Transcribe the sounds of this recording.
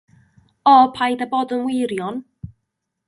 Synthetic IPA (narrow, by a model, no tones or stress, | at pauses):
ɔpʰajdaboːdənwɪɾjɔn